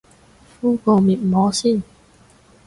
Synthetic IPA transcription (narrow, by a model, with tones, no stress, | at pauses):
fuː˥kɔː˧miː˨˩t̚mɔː˨˥siː˥˩n